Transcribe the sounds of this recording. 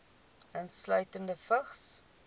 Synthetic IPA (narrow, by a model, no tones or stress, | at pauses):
ənslœɥtəndəfəχs